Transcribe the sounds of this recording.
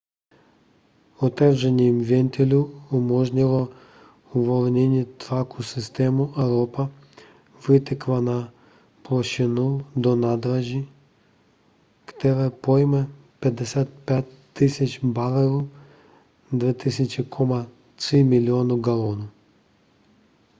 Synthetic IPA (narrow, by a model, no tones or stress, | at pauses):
ɔt̪ɛvʒɛnʲiimvʲɛnt̪ʲɛlʲuumɔʒnilˠɔ | uvɔlˠnʲɛnʲit̪ɾakusist̪ɛmuʔɛɾɔpa | vɨt̪ɛkvana | plˠɔʃinud̪ɔnad̪ɾaʒi | kt̪ɛvɛpɔjmɛ | pɛd̪ɛsʲat̪̚pʲɛt̪ːisʲat͡ʃbalˠɛɾu | d̪vɛt̪isʲɛt͡ʃikʰɔma | t̪imilʲiɔnuɡalˠɔnu